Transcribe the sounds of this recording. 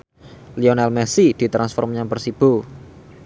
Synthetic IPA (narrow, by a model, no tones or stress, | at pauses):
lionɛlmɛsid̪̥i̤t̪ɾansfɔrmɲaŋbərsib̥o